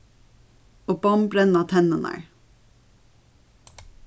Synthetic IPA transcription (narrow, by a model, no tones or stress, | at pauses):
oːbɑmbɾɛnɑt̪ʰɛnənæ̰ɹ